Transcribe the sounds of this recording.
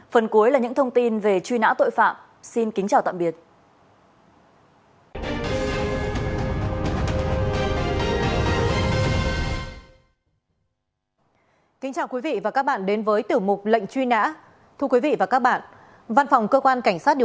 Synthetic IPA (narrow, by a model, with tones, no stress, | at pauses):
fə˨˩nku˨˦əjlaː˨˩ɲɨ̰˧˥ŋt̪ʰə˧wŋ͡mt̪i˧nve˨˩t͡ɕwi˧na̰ː˧˥t̪o̰˧˨jfa̰ː˧˨m | si˧nkï˨˦ŋt͡ɕaː˨˩wt̪a̰ː˧˨mɓi˨˩ət̚ | kï˨˦ŋ̟t͡ɕaː˨˩wkwi˨˦vḭ˧˨vaː˨˩ka˦˥k̚ɓa̰ː˧˨nɗe˨˦nvəː˨˦jt̪i˧˩əwmʊ˨˩k͡p̚lə̰˧˨jŋ̟t͡ɕwi˧na̰ː˧˥ | t̪ʰu˧ə˧kwi˨˦vḭ˧˨vaː˨˩kaː˦˥k̚ɓa̰ː˧˨n | va˧nfa˨˩wŋ͡mkəː˧kwaː˧nka˧˩jŋ̟saː˦˥t̚ɗ